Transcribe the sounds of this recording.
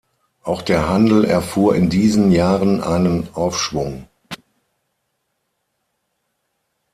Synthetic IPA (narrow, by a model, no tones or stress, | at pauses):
ʔaʊxd̥eːɐɦandl̩ɛ̰ɐfuːɐɪndiːzənjaːʁənʔaɪnənʔaʊfʃv̥ʊŋ